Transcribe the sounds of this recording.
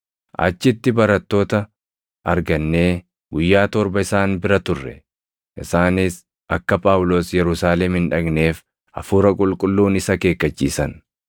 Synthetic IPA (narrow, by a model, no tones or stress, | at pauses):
ʔɐ̰t͡ʃːɪt̪ːɪbɐɾɐt̪ːo̞ːt̪ɐ | ʔɐɾɡɐnːe̞ː | ɡʊjːaːt̪ɔɾbɐɪsaːnbɪɾɐt̪ʊrːɛ̰ | ʔɪsaːnɪs | ʔɐkːɐpʼaːwlo̞ːsjɛɾʊsaːlɛmhɪnᶑɐɡne̞ːf | ʔɐ̰fuːɾɐkʼʊlkʼʊlːuːnɪsɐke̞ːkːɐt͡ʃːḭːsɐn